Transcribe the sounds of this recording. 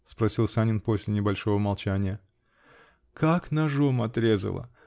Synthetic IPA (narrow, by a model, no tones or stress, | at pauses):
spɾɐsʲilˠsanʲɪnpo̞sʲlʲɪnʲɪbɐlʲʂo̞vəmɐlˠt͡ɕænʲɪjə | kaknɐʐomɐt̪ɾʲe̞zə̰lˠə̰